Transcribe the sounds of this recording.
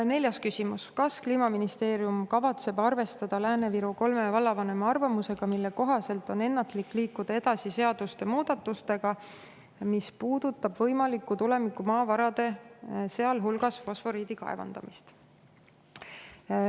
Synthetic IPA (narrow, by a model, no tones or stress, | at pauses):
ne̞ljɑskysimuskɑskliːmɑminist̪e̞ːɾiumkɑvɑt̪se̞bɑrve̞st̪ɑd̪̥ɑlæːne̞viɾuko̞lme̞vɑlːɑvɑne̞mɑɑrvɑmuse̞ɡ̥ɑmilːe̞ko̞ɦɑse̞lt̪ˑo̞ne̞nːɑt̪likːˑliːkːud̪̥ɑe̞d̪ɑsise̞ɑd̪̥ust̪e̞muːd̪̥ɑt̪ːˑust̪e̞ɡ̥ɑ | mispuːd̪̥ut̪ːˑɑb̥vɤ̞jmɑlikˑːut̪ule̞mikːˑumɑːvɑɾɑd̪̥e̞se̞ɑlɦulɡ̥ɑsfo̞sfo̞ɾiːd̪̥ikɑ̰e̞̰vɑ̰nd̪̥ɑ̰mist̪